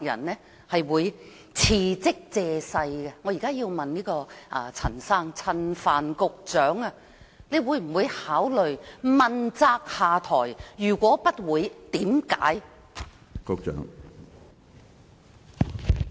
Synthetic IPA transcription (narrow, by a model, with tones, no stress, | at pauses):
jɐ̰˨˩nnɛː˥ | hɐ˨jwuː˨˧j | t͡sʰiː˧t͡sɪ˥k̚t͡sɛː˧sɐ˧jɡɛ˧ŋɔː˨˧jiː˨˩kaː˥jiː˧wmɐ˨nniː˥kɔː˧ʔɐː˧t͡sʰɐ̰˨˩nsaː˥ŋt͡sʰɐ˧nfaː˨nkʊ˨˧k̚t͡sœː˨˥ŋa˧ | ne˨˧jwuː˨˥jm̩˨˩wuː˨˧jhaː˨˥wlɵ˨ɥmɐ˨nt͡saː˧k̚haː˨˧t̪ʰɔː˨˩jjyː˨˩kʷɔː˨˥pɐ˥t̚wuː˨˧jt̪iː˨˥mka̰ː˨˥j | kʊ˨k̚t͡ʃœ̰ː˨˥ŋ